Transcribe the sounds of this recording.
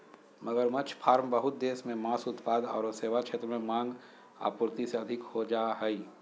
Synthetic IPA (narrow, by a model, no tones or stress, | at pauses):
mɐɡəɾmɐt͡ʃʰpʰaːɾmbɐɦʊt̪̚d̪eːsmẽmaːsʊt̪paːd̪ɔ̰ːɾseːʋat͡ʃʰeːt̪ɾəmẽmãːŋɡ | a̰ːpʊɾt̪iseɐd̪ʱɪkhod͡ʒaːɦɛi